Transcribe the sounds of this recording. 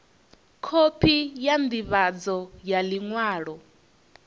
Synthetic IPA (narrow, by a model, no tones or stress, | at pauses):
kʰopʰijamdiβad͡zɔjaliŋwaːɺɔ